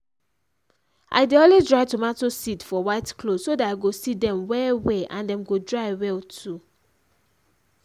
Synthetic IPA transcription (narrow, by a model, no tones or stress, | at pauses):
ʔa̰ɪdeõnlezdɹaɪtumatosidfɔwaɪtklodsodataɪɡosidɛ̃mwɛwɛʔãndɛ̃mɡodɹaɪwɛtʰu